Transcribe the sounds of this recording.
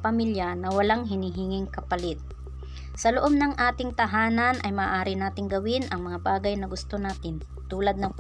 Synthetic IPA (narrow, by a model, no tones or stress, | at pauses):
pɐmiljɐnɐwɐlaŋɦɪniːɦɪŋɪŋkɐpɐlɪt̪̚ | sɐloʔob̚nɐŋʔaːt̪ɪŋt̪ɐɦaːnɐnʔɐjmaːʔaːɾɪnaːt̪ɪŋɡɐwɪnʔɐŋmɐŋabaːɡɐjnɐɡʊst̪onaːt̪ɪn | t̪uːlɐd̪̚nɐŋp